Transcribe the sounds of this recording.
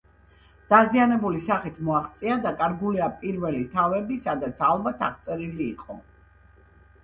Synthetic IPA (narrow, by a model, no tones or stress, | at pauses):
d̪̥azianɛbulisaχit̪ʰmɔaʁt̪sʼiad̪akʼaɾɡuliapʼiɾvɛlit̪ʰavɛbisad̪at̪sʰalˠbat̪ʰaʁt̪sʼɛɾiliːqʼɔ̰